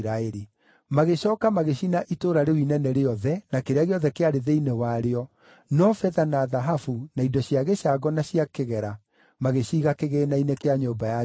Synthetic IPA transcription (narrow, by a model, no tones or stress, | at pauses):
ɾaeɾi | maɣeɕɔːkamaɣeɕinaʔitoːɾaɾewinɛnɛɾeɔðɛnakeɾeaɣeɔðɛkeaɾeðeinewaɾeɔ | nɔfɛðanaðaɦafunaidɔɕiaɣeʃaɡɔnaɕiakeɣɛɾa | maɣeɕiːɣakeɣeːnainekeaɲoːmbaja